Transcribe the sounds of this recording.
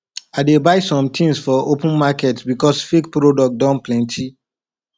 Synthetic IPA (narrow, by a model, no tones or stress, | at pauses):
aɪdebaɪsɔ̃mtʰĩnsfɔopə̃nmakɛtbikɔsfek̚pɹodɔk̚dɔ̃nplɛ̃ntʰi